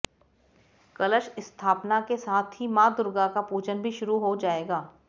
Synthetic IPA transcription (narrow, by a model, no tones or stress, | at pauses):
kɐləʃɪst̪ʰaːpnakesaːt̪ʰɦimãːd̪ʊɾɡakapuːd͡ʒənbʱiʃʊɾuɦod͡ʒaːeːɡaː